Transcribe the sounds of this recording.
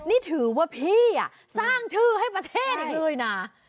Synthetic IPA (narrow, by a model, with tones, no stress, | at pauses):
niː˥˩t̪ʰɯː˩˦waː˥˩pʰiː˥˩a̰˨˩ | saː˥˩ŋt̪ʰɯː˥˩ɦa˥˩jpɾa˧t̪ʰeː˥˩t̪̚lɤː˧jna˧˩